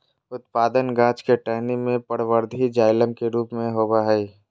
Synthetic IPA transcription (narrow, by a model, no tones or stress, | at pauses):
ʊt̪̚paːd̪ənɡãːt͡ʃkeʈɛɦnimẽpəɽʋəɾd̪ʱid͡ʒaːɪlə̃mkeɾuːpmẽɦoːbaɦɛi